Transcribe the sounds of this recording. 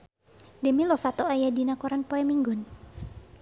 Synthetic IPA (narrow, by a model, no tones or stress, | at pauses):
dəmilɔfat̪ɔajadinakɔɾanpɔɛmiŋɡʊn